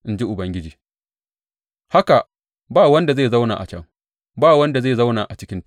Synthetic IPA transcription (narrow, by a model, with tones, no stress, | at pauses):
ʔɪ˦nd͡ʒi˦ʔʊ˨bɐ˦ŋɡʲɪ˦d͡ʒiː˨ | ha˦ka˨ | baː˦wɐ˦nda˨zeː˦˨za˦wna̰ː˨ʔa̰˨t͡ʃɐ˦ŋ | baː˦˨wɐ˦nda˨zeː˦˨za˦wnaː˨ʔa˨t͡ʃɪ˦kʲɪ˦nt